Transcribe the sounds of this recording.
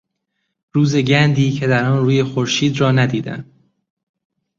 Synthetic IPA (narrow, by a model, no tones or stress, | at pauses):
ɾuːze̞ɟænd̪iːcʰe̞d̪æɾɒnɾuːje̞xoɾʃiːd̪ɾɒːnæd̪iːd̪æ̰n